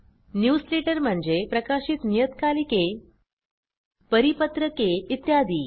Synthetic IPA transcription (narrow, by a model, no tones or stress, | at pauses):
njuːsleʈəɾm̤əɳd͡zepɾəkaɕiːt̪nijət̪kalike | pəɾipət̪ɾəkeit̪jad̪iː